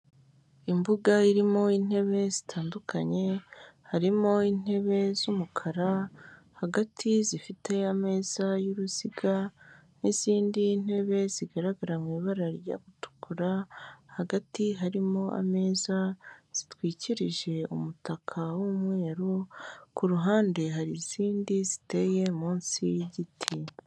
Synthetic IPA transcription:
imbuɡaiɾimo̞in̥e̞βe̞zitʰaːndukʰaɲe̞haɾimo̞in̥e̞βe̞zumukʰaɾa | haɡatʰizifite̞ame̞ːz̥ajuɾuz̥iɡa | niz̥iːndin̥he̞βe̞ziɡaɾaɡaɾamwiːβaɾaɾja̰ɡutu̥kuɾahaɡatiɦaɾimo̞ʔa̰me̞ːzaz̥itwiːciɾiʒe̞ṵmutakʰawumwe̞ːɾokuɾuɦaːnde̞ɦaɾiz̥iːndizite̞je̞muːnsḭjɟitʰi

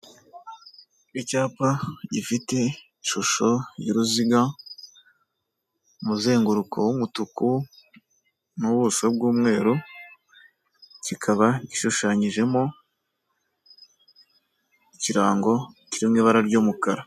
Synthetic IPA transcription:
icaːpaɟifite̞ | ʃuʃo̞jḭɾuziɡa | muze̞ːŋɡuɾukʰo̰womutuku | nuβusob̚ɡuːmŋe̞ːɾu | cikʰaβaɟiʃuʃaːɲiʒe̞mo̞ | iciɾaːŋɡo̞ciɾimŋiːβaɾaɾɟoːmukaɾa

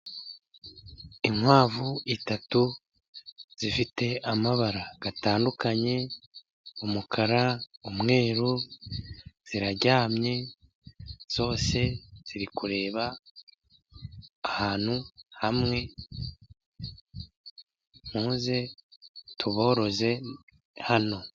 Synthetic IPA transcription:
iŋwaːvuitatu | z̥ifite̞amaβaɾaɡ̥ataːndukaɲe̞ | umukʰaɾaumŋe̞ːɾu | z̥iɾaɾɟaːmɲe̞ | z̥o̞ːse̞z̥iɾikuɾe̞ːβa | haːn̥huhamŋe̞ | m̥uːnze̞ | tʰuβo̞ːɾo̞ze̞ | hano̞

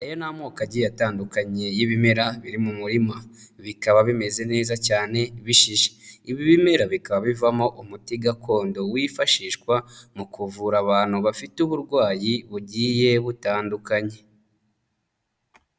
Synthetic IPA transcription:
ejo̞naːmŋoːkaɟijataːndukaɲe̞jiβime̞ɾaβiɾimumuɾimaβikaβaβime̞ze̞ne̞ːzacaːne̞βiʃiʒe̥iβiβime̞ɾaβikaβaβivamo̞ʔumutiɡakʰo̞ːndo̞wiːfaʃiːʃkwamukuvuɾaβaːn̥huβafituβuɾɡwaːjiβuɟiːje̞βutaːndukaɲe̞

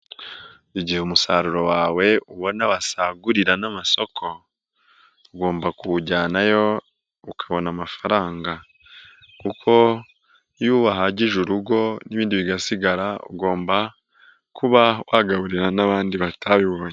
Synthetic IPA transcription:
iɟiheumusaɾuɾo̞waːwe̞uβo̞naβasaɡuɾiɾanamaso̞kʰo̞ | uɡo̞ːmbakuɟaːnajo̞ | ukʰaβo̞namafaɾaːŋɡa | kukʰo̞ | juːβaɦaɟiʒuɾuɡo̞niβiːndiβiɡasiɡaɾaṵɡo̞ːmba | kuβawʔaɡaβuɾiɾanaβaːndiβatʰaβiβoːɲ

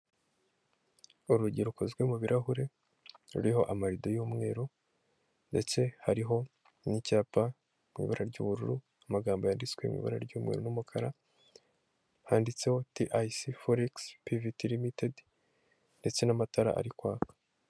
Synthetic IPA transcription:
uɾuɟiɾuko̞zɡwe̞muβiɾʔaɦuɾe̞ | ɾṵɾiɦo̞ʔamaɾidojuːmŋe̞̰ːɾo | nde̞t͡se̞haɾiɦo̞ | nicaːpa | mŋḭβaɾaɾɟṵːβuɾuɾu | amaɡaːmbojaːndit͡swe̞ḭmḭβa̰ɾaɾɟuːmŋe̞̰ɾonumukʰaɾa | haːndit͡se̞ho̞tiʔajsifoɾikspivitilimited | nde̞t͡se̞namataɾa̰ʔa̰ɾikwaːkḁ

